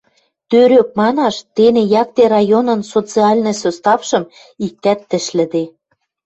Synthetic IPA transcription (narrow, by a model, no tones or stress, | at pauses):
t̪øɾøk̚mɑnɑʃt̪enĕjɑk̚t̪eɾɑjonɤ̆nsot͡siɑlʲnɤ̆sost̪ɑfʃɤ̆m | ik̚t̪æt̪ːə̆ʃlɘ̆d̪e